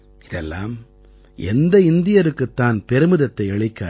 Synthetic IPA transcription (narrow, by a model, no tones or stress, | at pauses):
ɪðɛlːa̰ːm | ʔɛ̰nd̪ɐɪnd̪ɪjɐɾɯkːɯt̪ːaːnpɛɾɯmɯðɐt̪ːɐɪɐɭɪkːa̰ː